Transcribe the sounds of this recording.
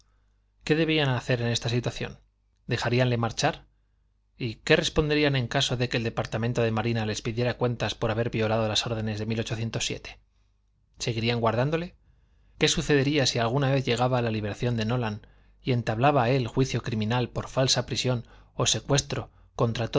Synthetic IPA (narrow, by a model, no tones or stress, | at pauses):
ke̞ðeβianaθe̞ɾe̞ne̞st̪asit̪waθjo̞̰n | d̪e̞xaɾianle̞maɾt͡ʃaɾ | ike̞re̞spo̞nd̪eɾiane̞ŋkaso̞ðe̞ke̞ːld̪e̞paɾt̪ament̪o̞ð̞e̞maɾinale̞spiðje̞ɾakwe̞nt̪aspo̞ɾaβe̞ɾβio̞lað̞olaso̞ɾð̞e̞ne̞zðe̞milo̞t͡ʃo̞θje̞nt̪o̞sːje̞̰t̪e̥ | se̞ɣ̞iɾiaŋɡwaɾðand̪o̞le̞ | ke̞suθe̞ðe̞ɾiasialɣ̞unaβe̞θʝe̞ɣ̞aβaːlaliβe̞ɾaθjo̞nd̪e̞no̞lan | ie̞nt̪aβlaβae̞lxwiθjo̞kɾimĩnalpo̞ɾfalsapɾisjo̞no̞se̞kwe̞st̪ɾo̞ | ko̞nt̪ɾat̪o